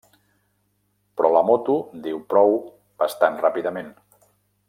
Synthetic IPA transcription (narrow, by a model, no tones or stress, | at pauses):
pɾɔləmot̪ud̪iwpɾɔw | b̥əst̪anrapiðəmen